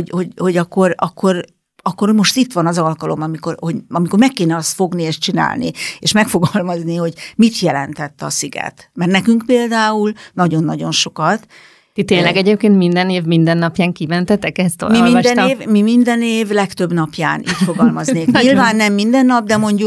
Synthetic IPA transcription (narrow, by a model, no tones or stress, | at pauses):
oho̞ɟho̞ɟɒkːo̞rɒ̰kʰːo̞r | ɒkːo̞rmo̞ʃt̪it̪ːʋɒnɒzɒlkɒlo̞mɒmikorho̞ɟɒmiko̞rmɛkːeːnɛɒst̪fo̞ɡnieːʃt͡ʃina̰ːlnḭeːʃmɛkfo̞ɡɒlmɒzniho̞ɟmit̪jɛlɛnt̪ɛt̪ːɒ̰siɡɛ̰t̪mɛrnɛkyŋkpeːld̪aːulnɒɟo̞nːɒɟo̞nʃo̞kɒt̪ | t̪it̪eːnlɛɡɛɟeːp̚keːnt̪mind̪ɛneːvmind̪ɛnːɒpjaːŋkimɛnt̪ɛt̪ɛkɛst̪o̰lmiolmiɛneːvmimind̪ɛneːvlɛkt̪ø̞bnɒpjaːnʔḭːcfo̞ɡɒlmɒzneːkɲilvaːnːɛmːind̪ɛnːɒb̚d̪ɛmo̞ɲɟu